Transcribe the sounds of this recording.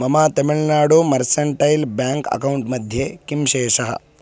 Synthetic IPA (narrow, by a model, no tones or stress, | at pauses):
mɐmaːt̪ɐmɪɭnaːɽumɐɾsɐɳʈɐjlbjaːŋkɐ̰kɐwuɳʈmɐd̪ʱjekimʃeːʂɐɦɐ̰